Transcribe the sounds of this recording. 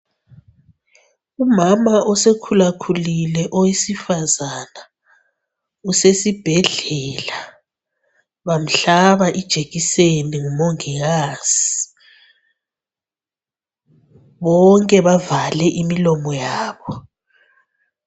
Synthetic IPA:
umamaɔsekʰulakʰulilɛʔɔwisifazana | usesib̥ʱɛɮɛːla | βam̩ɬaβaʔid̥ʒ̥ʱeɣiseniŋumɔŋiɣaz̥i̥ | βɔŋkʼɛβavalɛʔimilɔmɔjaːβɔ

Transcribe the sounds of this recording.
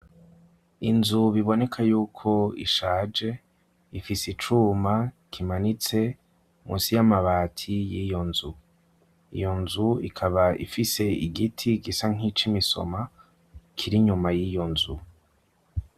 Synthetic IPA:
inzuβiβo̞ne̞kʰajuːkʰo̞ḭʃaːd͡ʒe̞ | ifisit͡ʃuːmakʰimanit͡se̞ | mṵːnsijamaβaːtʰijijo̞nzu | ḭjo̞nzuḭkʰaβaḭfise̞iɡitʰiɡisaŋ̥it͡ʃimiso̰ma | kʰiɾiɲumajijo̞nzu

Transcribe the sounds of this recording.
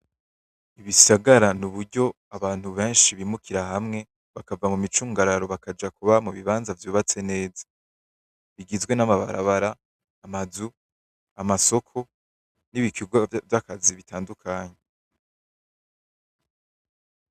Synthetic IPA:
iβisaɡaɾanuβuɾɟo̞ | aβaːn̥huβe̞ːnʃiβimukʰiɾaɦamŋe̞ | βakavamumit͡ʃuːŋɡaɾaɾo̞βakad͡ʒakuβamuβiβaːnzavjuːβat͡se̞ne̞ːzḁ | βiɡizɡwe̞namaβa̰ɾa̰βaɾaː | mazu | amaso̞kʰo̞ | niβikʰiɡwavjakaziβitʰaːndukʰaːɲe

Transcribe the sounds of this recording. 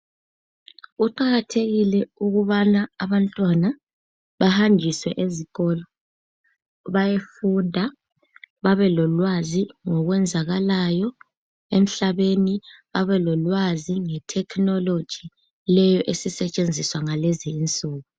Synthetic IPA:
uǃaɣatʰeɣilɛuɣuβanaaβantʼwana | βahand͡ʒʱiswɛʔeziɣɔlɔ | βajefundʱa | βaβɛlɔlwaziŋɔɣwɛnd͡zʱaɣalajɔ | em̩ɬaβeniβaβɛlɔlwaziŋɛtʰɛkʰnɔlod̥ʒ̥ʱi | lɛjɔʔesisɛt͡ʃʼend͡zʱiswaŋalɛziːnt͡sʼuːɣu

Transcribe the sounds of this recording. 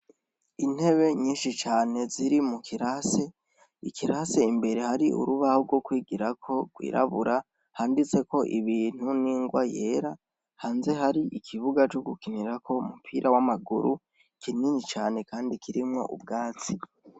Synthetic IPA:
in̥he̞βe̞ɲiːnʃit͡ʃaːne̞ziɾimukʰiɾase | ikʰiɾase̞imbe̞ɾe̞haɾiʔṵɾuβaho̞ɾɡwo̞kwiːɡiɾakʰo̞ɡwḭːɾʔa̰βuɾʔa | haːndit͡se̞ko̞ʔiβiːn̥uniːŋɡwaje̞ːɾa | haːnze̞ɦaɾiʔikʰiβuɡat͡ʃo̞ɡukiniɾako̞umupʰiːɾʔawamaɡṵɾu | kininit͡ʃaːne̞kaːndikʰiɾimŋo̞̰ʔṵb̚ɡaːt͡si

